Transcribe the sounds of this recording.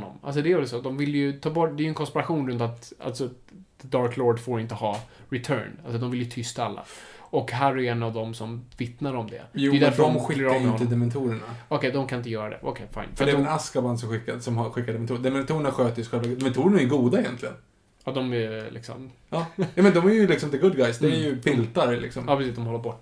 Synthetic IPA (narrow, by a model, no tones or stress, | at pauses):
nːɔ̰ma̰ls̬ɔd̪ɛjœːɖɛsoːd̪ɔmvɪljɵt̪ʰɑːbɔʈːd̪ɛːjʏɵɛnkʰɔnspɪɾaɧuːnɾɵnt̪at̪a̰lsɔ | d̪ɑːɾkloːɖfoːɾɪnt̪əhɑː | ɾɪt̪ʰœ̰ːɳals̬ɔd̪ɔmvɪljɵt̪ʰʏst̪aalːa̰ɔkɦæːɾæɾjɛnːavd̪ɔmsɔmvɪt̪naɾɔmd̪ɛ̰ɛjd̪æɾfəɖɔmɧɪlːəɾɑavɪmɛhɔnt̪əd̪ɛmɛnt̪ʰuːɾəɳaɔkʰɛjd̪ɔmkʰanɪnt̪əjœːɾad̪ɛ̰ʔɔ̰kʰɛfa̰ɪnfœɾatdɛɛnaskaband̪sɔmɧɪkːad̪sɔmhaɧɪkːaɖ̪ɛmɛnt̪uːd̪ɛmɛnt̪ʰuːɾəɳaɧøːt̪əɾsɧɛlvad̪ɛmɛnt̪ʰuːɾəɳaɛɡuːd̪aɛjɛnt̪ʰlɪɡən | ɑd̪ɔmɛlʔɪ̰ksɔ̰m | ɑːjuːmɛnd̪ɔmæɾjɵlɪksɔmd̪əɡɵd̪̚ɡajsd̪ɛæɾjɵpʰɪlt̪aɾlɪ̰ksɔmjɑːpʰɾɛsiːsd̪ɔmhɔlːəɾbɔʈː